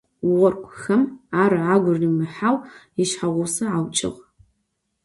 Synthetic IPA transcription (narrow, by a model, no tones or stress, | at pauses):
ʁɔrkʷʰʼʊxɐmaːɾɨʕaːɡʷʊriːmɨħaːwjɪʃħaʁʷʊsɐʕawt͡ʃʼɪ̰ʁ